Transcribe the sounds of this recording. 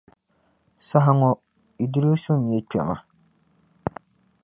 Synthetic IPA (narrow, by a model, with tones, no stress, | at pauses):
sa˦ɦa˦ŋɔ˨ | i˨du˦ɾɨ˦sʊ˦ŋ˨jɛ˦˨t͡ʃɛ̰˨ma˨